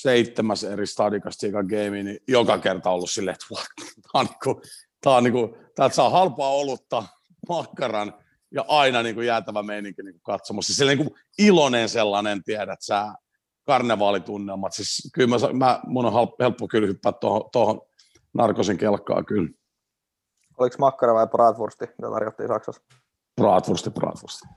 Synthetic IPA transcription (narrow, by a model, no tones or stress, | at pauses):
seit̪ːemæserist̪ɑdikɑst̪iːkɑɡeiminijokɑkert̪ɑolːussilːet̪ʋuɑ̥t̪t̪ɑːni̥ku | t̪ɑːniŋkut̪ɑːt̪sɑːhɑlpɑːolːut̪ːɑː | mɑkːɑrɑn | jɑʔɑinɑniːŋkujæːt̪æʋæmeiniŋkiniːŋkukɑt̪somusːisilːniŋku | ilonenselːɑnent̪iæɾæt̪sæː | kɑrneʋɑːlit̪unːelmɑt̪siskylmæsɑ̰mæmunohɑlhelpːokylhypːæːt̪t̪ohot̪ohon | nɑrkoseŋkelkːɑ̰ːkyl | oliksmɑkːɑrɑʋɑiprɑːt̪ʋurst̪imit̪æ̰t̪ɑ̰rjot̪ːḭːsɑksɑs | prɑːt̪ʋurst̪iprɑ̰ːt̪ʋurst̪i̥